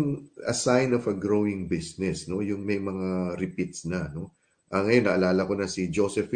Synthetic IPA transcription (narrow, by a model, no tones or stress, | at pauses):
ŋɐ̰sajnofɐɡɾowɪŋbisnɛsno̞jʊŋmɐjmɐŋaɾɪpit̪snɐno̞ | ʔɐŋɐjo̞nːɐʔɐlaːlɐko̞nɐsid͡ʒosɛf